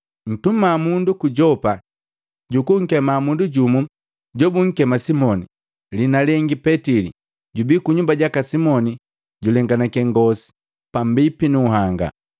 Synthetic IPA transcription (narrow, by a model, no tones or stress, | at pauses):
n̩tumamundukuɟɔpa | ɟukuŋ̩kɛmamunduɟumu | ɟɔbuŋ̩kɛmasimɔni | linalɛŋɡipɛtilḭ | ɟubikuɲumbaɟakasimɔni | ɟulɛŋɡanakɛŋɡɔsi̥ | pam̩bipinuːɦaŋɡa̰